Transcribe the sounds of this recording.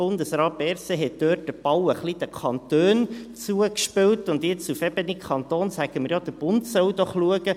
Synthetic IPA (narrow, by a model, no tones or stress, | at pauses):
ʊnd̪əsɾɑːt̚bɛɾseɦɛt̚d̥øːt̚dəb̥ɑwəχlid̥̪əkʰɑnt̪øːnt͡suəkʃpɪwtʊnd̪jɪt͡sufɛbənikχɑnt̪oːnsæɡ̥əməɾjɔd̥̪əb̥ʊntsœwd̥̪ɔχluəɡə